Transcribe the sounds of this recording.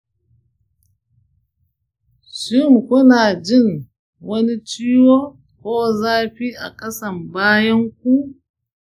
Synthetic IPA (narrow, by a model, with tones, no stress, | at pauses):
ʃɪ˦˨mkʷʊ˦naː˨d͡ʒɪ˦˨ŋ | wɐ˦ni˦t͡ʃiː˦woː˦ | kʷoː˦zaː˦ɸi˦ʔa̰˨kʼɐ˦sɐ˨mbaː˦jɐ˦ŋk̚ʷu˦